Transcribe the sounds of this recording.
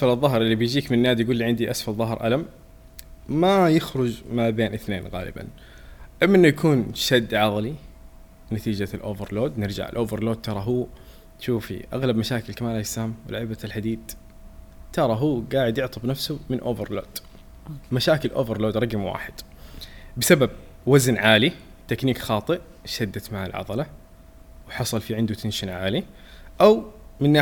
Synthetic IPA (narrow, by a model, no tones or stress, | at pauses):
asfalɨðˤːɑɦɾˤʔɪlːibɪjd͡ʒiːkmɪnnːaːd̪jɡuːlːiʕɪnd̪iʔasfalðˤɑɦɾˤʔa̰lamː | ajɪxɾˤʊd͡ʒmabeːnʔɪθneːnɣa̰ːlɪ̰ba̰n | ʔamːaʔɪnːujakʰuːnʃad̪ːʕɑðˤli | nat̪iːd͡ʒalʔoːvɪɾloːd̪nɪɾd͡ʒa̰ʕɪ̰lʔoːvɪɾloːd̪̚t̪ɑɾˤɑɦuː | t̪ʃuːfḭʔa̰ɣlabmaʃaːkɪlkamaːlaɪsːahamwɪlʔaʕabat̪alħad̪iːd̪ | t̪ɑɾˤɑɦuːɡaːʕɪd̪jɪʕt̪ˤʰɨbnafsʊmɪnʔoːvɪɾloːd̪̥ | maʃaːkɪlʔo̰ːvɪɾloːd̪ɾˤɑɡɪmwa̰ːħɪd̪̥ | bɪsabab̚ | waznʕaːli | t̪akniːkxɑːt̪ˤɨʔ | ʃad̪ːat̪maʕa̰lʕɑ̰d̪ˤɑlɑ | wħɑsˤɑlfiʕɪnd̪ut̪ʰɪnʃɪnʕaːli | ʔawmɪnːaː